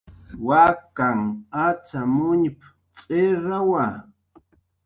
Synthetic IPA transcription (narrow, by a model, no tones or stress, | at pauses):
wakaŋat͡samʊɲp | t͡sʼɪɾawa